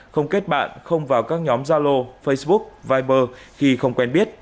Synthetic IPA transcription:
xə˧wŋ͡mke˦˥t̚ɓa̰ː˧˨nxə˧wŋ͡mvaː˨˩wkaː˦˥k̚ɲɔ˨˦mzaː˧lo˧fə˧jsɓʊ˦˥k̚vaː˧jɓəː˧xi˧xə˧wŋ͡mkwɛ˧nɓi˦˥ət̚

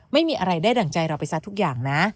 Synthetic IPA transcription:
ma˥˩jmiː˧ʔa˧ɾa˧jdaː˥˩da˨˩ŋt͡ɕa˧jɾa˧wpa˧jsa˦˥t̪ʰːu˦˥k̚jaː˨˩ŋna˦˥

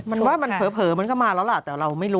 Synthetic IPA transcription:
ma˧nwaː˥˩ma˧npʰɤː˨˩˦pʰɤː˩˦ma˧nkɔː˥˩maː˧lɛː˦˥la˨˩t̪ɛː˨˩ɾa˧wma˥˩jɾuː˦

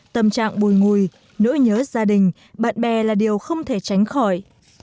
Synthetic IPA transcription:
t̪ə˨˩mt͡ɕa̰ː˧˨ŋɓu˨˩jŋu˨˩˨j | nṵ˧˥ɲəː˨˦zaː˧ɗï˨˩ŋ̟ | ɓa̰ː˧˨nɓɛ˨˩laː˨˩ɗi˨˩əwxə˧wŋ͡mt̪ʰe˧˩t͡ɕa˨˦jŋ̟xɔ˧˩j

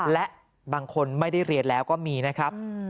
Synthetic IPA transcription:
lɛ˦˥ʔ | baː˧ŋkʰo˧nma˥˩jda˥˩jɾi˧ət̪̚lɛː˦˥wkɔː˥˩miː˧na˦˥kʰɾa˦˥p̚

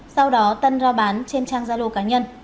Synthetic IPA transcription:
sa˧wɗɔ˨˦t̪ə˧nzɔ˧ɓaː˨˦nt͡ɕe˧nt͡ɕaː˧ŋzaː˧lo̰˧˨kaː˨˦ɲə˧n

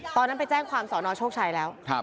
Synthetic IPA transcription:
t̪ɔː˧nːa˦˥npa˧jt͡ɕɛː˥˩ŋkʰwaː˧msɔː˩˦nɔː˧t͡ɕʰoː˥˩k̚t͡ɕʰaː˧jlɛː˦˥wkʰa˦˧˩

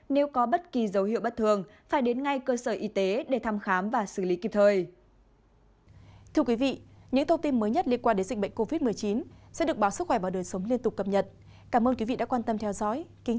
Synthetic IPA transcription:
ne˨˦wkɔ˨˦ɓə˦˥t̚ki˨˩zə˨˦wɦḭ˧˨wɓə˦˥t̚t̪ʰɨ˧˩əŋ | faː˧˩jɗe˨˦nŋa˧jkəː˧səː˧˩ʔi˨˦t̪e˨˦ɗe˧˩t̪ʰa˧mxaː˨˦mvaː˨˩sɨ˧˩li˨˦ki˨˩p̚t̪ʰəː˧˩j | t̪ʰɨ˧əkwi˨˦vḭ˧˨ɲɨ̰˧˥ŋt̪ʰə˧ŋ͡mt̪i˧nməː˨˦jɲə˦˥t̚li˧ənkwaː˧ne˨˦nzï˨˩ɓə̰˧˨ŋ̟ko˧vi˦˥t̚mɨ˨˩əjt͡ɕi˨˦nsɛ̰˧˥ɨ˨˩əkɓaː˨˦wsɨ˦˥xwɛ˧˩ɓaː˨˩ɗəː˨˩jsə˨˦wŋ͡mli˧ənt̪ʊ˨˩k͡p̚kə˨˩p̚ɲə˨˩t̚ | kaː˧˩mʔəː˧nki˨˦vḭ˧˨ɗa̰ː˧˥kwaː˧nt̪ə˧mt̪ʰɛ˧wzɔ̰˧˥jki˨˦ŋ

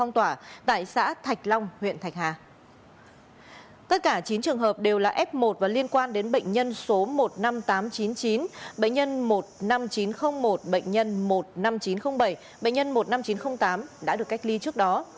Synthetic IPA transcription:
fɔ˧wŋ͡mt̪waː˧˩t̪a̰ː˧˨jsa̰ː˧˥t̪ʰa˨˩k̟̚lɔ˧wŋ͡mhwḭ˧˨ənt̪ʰa˨˩jk̚haː˨˩ | t̪ə˦˥t̚kaː˧˩t͡ɕi˨˦nt͡ɕɨ˨˩əŋɦəː˨˩p̚ɗe˨˩wlaː˨˩ʔɛ˦˥p̚mo˨˩t̚vaː˨˩li˧ənkwaː˧nɗe˨˦nɓə̰˧˨jŋ̟ɲə˧nso˨˦mo˨˩t̚na˧mt̪aː˨˦mt͡ɕi˨˦nt͡ɕi˨˦nɓə̰˧˨ŋ̟ɲə˧nmo˨˩t̚na˧mt͡ɕi˨˦nxə˧wŋ͡mmo˨˩t̚ɓə̰˧˨jŋ̟ɲə˧nmo˨˩t̚na˧mt͡ɕi˨˦nxə˧wŋ͡mɓə˧˩j | ɓə̰˧˨ŋ̟ɲə˧nmo˨˩t̚na˧mt͡ɕi˨˦nxə˧wŋ͡mt̪aː˨˦mɗa̰ː˧˥ɗɨ˨˩əkːa˦˥jk̚li˧t͡ɕɨ˦˥ək̚ɗɔ˨˦

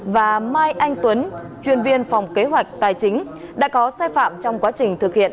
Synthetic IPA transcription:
vaː˨˩maː˧jʔa˧jŋ̟t̪wə˨˦n | t͡ɕwi˧˩ənvi˧ənfɔ˨˩wŋ͡mke˨˦ɦwa˨˩jk̟̚t̪aː˨˩jt͡ɕï˨˦ŋ̟ | ɗa̰ː˧˥kɔ˨˦saː˧jfa̰ː˧˨mt͡ɕɔ˧wŋ͡mkwaː˨˦t͡ɕï˨˩ŋ̟t̪ʰɨ˨˩k̚hḭ˧˨ən

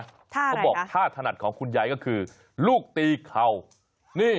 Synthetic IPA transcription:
ɔ˦bɔː˨˩k̚t̪ʰaː˥˩t̪ʰa˧na˨˩t̪̚kʰɔː˩˦ŋkʰu˧njaː˧jkɔ˥˩kʰɯː˧ | luː˥˩k̚t̪iː˧kʰa˨˧w | niː˥˩

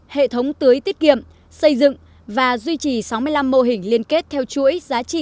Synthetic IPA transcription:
hḛ˧˨t̪ʰə˨˦wŋ͡mt̪ɨ˨˦əjt̪i˦˥ət̚kḭ˧˨əm | sə˧jzɨ̰˧˨ŋ | vaː˨˩zwi˧t͡ɕi˨˩sa˨˦wmɨ˧əjla˧mːo˧ɦï˨˩ŋ̟li˧ənke˦˥t̚t̪ʰɛ˧wt͡ɕu˧˥əjzaː˨˦t͡ɕḭ˧˨

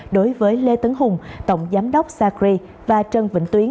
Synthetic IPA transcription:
ɗo˨˦jvəː˨˦jle˧t̪ə˨˦ŋɦʊ˨˩ŋ͡mt̪ə̰˧˨wŋ͡mzaː˨˦mɗə˦˥wk͡p̚saː˧kɾi˧ | vaː˨˩t͡ɕə˨˩nvḭ˧˨ŋ̟t̪wi˨˦ə

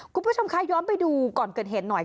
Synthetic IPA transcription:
kʰu˧nbt͡ɕʰo˧mkʰa˦˥˩jɔː˦˥mpa˧jduː˧kɔː˨˩nkɤː˨˩t̪̚ɦe˨˩t̪̚nɔ˨˩j

